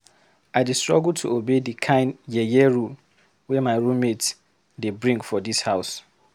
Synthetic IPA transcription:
aɪdistɹɔ̰ɡultʰṵobedikʰãɪ̃njɛjɛɹul | wɛmaɪɹumet | debɹĩŋɡfɔdishaʊs

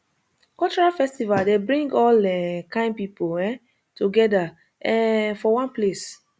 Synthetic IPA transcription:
kɔlt͡ʃɔɹalfɛstivaldebɹĩŋɡɔlɛkãɪ̃npipoɛ̃ | tuɡɛda | ɛ̃fɔwãnples

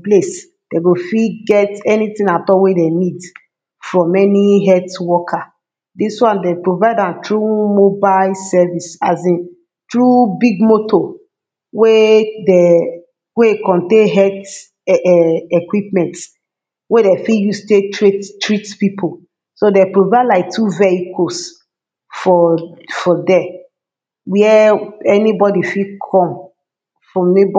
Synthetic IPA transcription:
ples | d̥eɡofiɡɛtɛnitĩnatɔwedenid | fɹɔ̃mɛniɦɛtwɔkʰa | diswãndepɹovaɪdãntɹumobalsɛvisazĩn | tɹubiɡmotʰo | wede | wekɔ̃ntẽɦɛt | ɛɛkwipmɛ̃nts | wedɛfijustetɹittɹitpipʰo | sodɛpɹovadlaɪk̚tʰuvɛikʰos | fɔfɔdɛ | wiɛɛnibɔdifikʰɔ̃m | fɹɔ̃mneb

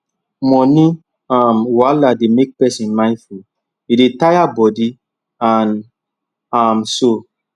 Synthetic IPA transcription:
mɔ̃nĩ | amwalademek̚pɛsĩnmãɪ̃nfu | idetajabɔdi | ãn | amso

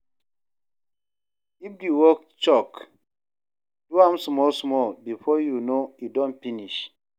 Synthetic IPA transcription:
ifdiwɔk̚ | t͡ʃɔk | d̥uãmsmɔlsmɔlbifɔjunoidɔ̃nfiniʃ

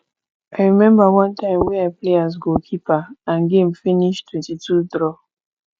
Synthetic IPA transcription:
aɪɹimɛ̃mbawɔ̃ntãɪ̃mwɛ̃aɪpleazɡokʰipaãnɡẽmfiniʃtʰwɛ̃ntitʰudɹɔ

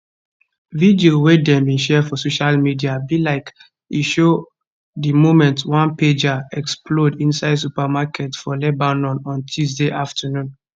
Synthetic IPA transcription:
vidiowedɛ̃mbĩʃɛfɔsoʃalmidiabilaɪk | iʃo | dimomɛ̃ntwãnped͡ʒaɛkspʰlodĩnsaɪds̬upamakʰɛtfɔlɛbanɔ̃nɔ̃ntʰusdeʔaftʰənũn

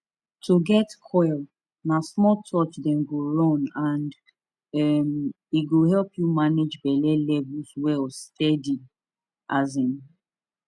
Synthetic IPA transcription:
tʰoɡɛtkʰɔɪl | nasmɔltʰɔt͡ʃdɛ̃mɡoɹɔ̃nãnd | ɛm | iɡohɛlpʰjumaned͡ʒbɛlɛlɛvulswɛlstɛdi | ʔazĩm

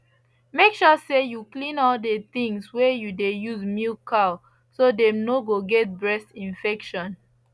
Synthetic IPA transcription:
mekʃɔsejuklĩnɔldət̪ĩŋswɛjudejuzmilkʰaʊ | sodɛ̃mnoɡoɡɛt̚bɹɛstĩnfɛkʃɔ̃n

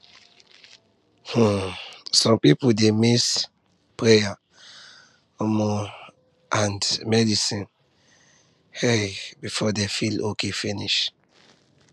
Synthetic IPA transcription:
hũsɔ̃mpipudemis | pɹeja | omɔ | ʔãndmɛdisĩn | hɛbifɔdɛfilokʰefĩniʃ

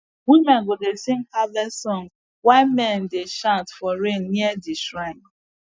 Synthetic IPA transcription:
wimɛ̃nɡodesiŋ̩kalɛsɔ̃ŋ | waɪmɛ̃n̩deʃãntfɔɾenːiɛdiʃɾaɪ

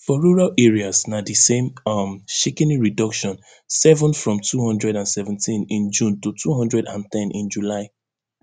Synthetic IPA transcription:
fɔɹuɹalʔɛɹiasnadisẽmɔmʃikɛ̃niɹidʌkʃɔ̃n | sɛvɔ̃nfɹɔ̃mtʰuhɔ̃ndɹɛdãnsɛvɛ̃ntʰĩnĩnd͡ʒũntutʰuɦɔ̃ndɹɛdã̰ntɛ̃nʔĩnd͡ʒulaɪ

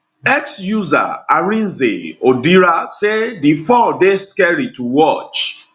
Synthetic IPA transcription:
ɛksjuza̰aɹĩnzḛodiɾasedifɔdeskɛɹituwɔt͡ʃ

